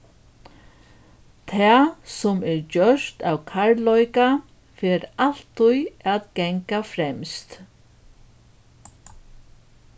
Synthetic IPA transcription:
t̪ʰaːsɔmɛɹd͡ʒœʂt̪awkʰaɹlɔjka | fɛːɾal̥t̪ːʊjaðɡɛŋkafɾɛmst̪

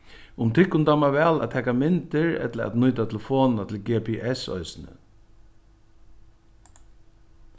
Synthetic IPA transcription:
ʊmt̪ʰɪkːʊnt̪amaʋɛːla̰tt̪ʰɛːkamɪnt̪ɪɹɛ̰t̪ləa̰t̪nʊjt̪at̪ʰɪlfoːnnat̪ʰɪlɡɛːpʰɛʔɛsɔ̰jsnə̰

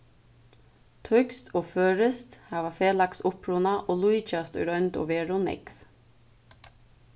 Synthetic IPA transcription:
t̪ʰœkst̪oːføːɹɪst̪hɑːʋafeːlaktsʊpɹʊnaʔoːluɪt͡ʃast̪ɔ̰ɾœʏnt̪o̰ːʋeːɹʊnɪ̰kv

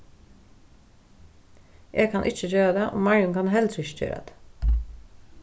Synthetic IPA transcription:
ʔeːɡkʰɑnʔɪt͡ʃəçøːɾɑd̪eːʔo̰ːmɑɹjʊnkʰɑnɦɛld̪ɾɪçə̥c͡çø̰ːɾʔɑ̰d̪̥

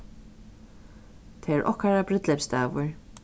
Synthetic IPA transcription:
t̪ʰɛɛɾʔɔ̰hkaɾabɾɪt̪lɛpst̪aːvʊɹ

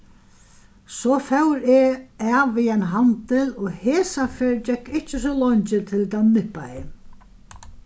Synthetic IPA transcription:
sɔːfɛwɾɛaːviɛnɦant̪ɪlɔɣheːsafɛːɾd͡ʑɛkʰːɪht͡ʃːɪs̬ɔlɔɲt͡ɕɪt̪ʰɪlt̪anɪhpa̰ɪ

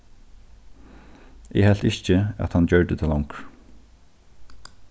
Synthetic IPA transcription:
ɛhɛl̥t̪ɪçt͡ʃɪæ̰t̪hand͡ʑœɹd̪ət̪ʰɪlɔŋk

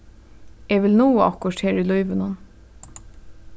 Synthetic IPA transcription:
eːʋɪlnuːəɑkɔʈheːɾʉːlɔʏʋənɔn

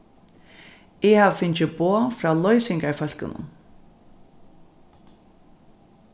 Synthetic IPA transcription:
ɛhaːvfɪnt͡ɕɪboːfɾaːlɔjsɪŋkafœl̥kɪ̰nʊ̰n

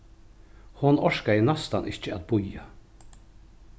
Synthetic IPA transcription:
hʊnɔʂkaɪnast̪anɪçəat̪̚bʊja

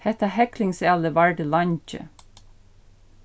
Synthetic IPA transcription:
hɛt̪ɑhɛklɪŋsɑləʋæɹɖəlɑnt͡ʃə̰

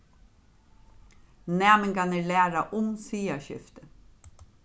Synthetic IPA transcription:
næːmɪŋkanəlæːɾaʔʊnsiːaɕʏ̰ft̪ə

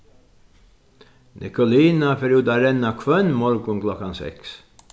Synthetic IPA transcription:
nʔɪ̰kʊliːnafɛɾjuːd̪ɑɾɛnɑkʰʋœnmɔɾɡʊŋklɔkansɛ̰ks

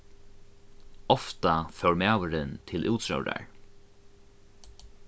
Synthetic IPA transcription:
ɔft̪afœwɹmæːwəɾɪnt̪ʰɪlʔuːt̪ɹœ̰wɾa̰ɹ

